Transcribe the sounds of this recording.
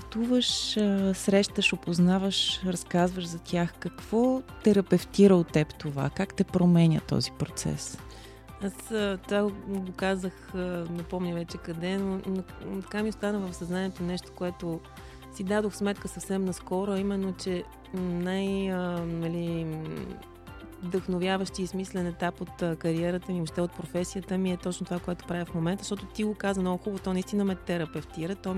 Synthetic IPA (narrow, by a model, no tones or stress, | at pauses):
t̪uvəʃəsɾɛʃt̪əʃopoznavəʃɾɐskazvəʃzɐt̪ʲjaxkɐkv̥ɔt̪ɛɾɐpɛft̪iɾəʊtt̪ːɛpt̪ova̰kakt̪ɛpɾomɛnʲə̰t̪ɔ̰zipɾot̪sɛ̰s | asət̪ovaɡokazəxnɐpɔmnʲɐvɛt͡ʃɛkɐd̪ɛnont̪ɐ̥kamiost̪anəvɐfsɐznanʲiɛt̪onɛʃt̪o̥koɛt̪o | sid̪ad̪oxsmɛt̪kəsɐfsɛmnɐskɔɾoɐimɛnːot͡ʃɛ | najənɐli | vd̪əxnovʲjavəʃt̪iismislɛnɛt̪apot̪əkɐɾiɛɾət̪əmioʃt̪ɛot̪̚pɾofɛsijət̪əmiɛt̪ɔt͡ʃnot̪ovakoɛt̪o̥pɾavifmomɛnt̪əzʃt̪ɔt̪ot̪iɡokazvəmnɔɡʊxubət̪ɔnɐist̪inəmɛt̪ɛɾɐpɛft̪iɾət̪ɔ